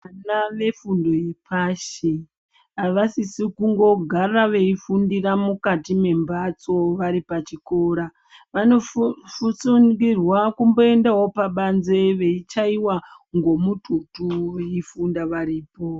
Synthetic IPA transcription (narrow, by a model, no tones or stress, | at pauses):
anaʋe̞fundoipaʃe | aʋasisikuŋɡo̞ɡʱaraʋe̞ifundiramukatime̞mbat͡so̞ʋaɾipat͡ʃiko̞ɾa | ʋano̞fut͡suŋɡirwakumbo̞e̞ndaɦo̞paɓanze̞ʋe̞it͡ʃaiwaŋɡo̞mutʰutuʋe̞ifundaʋaɾiːpo̞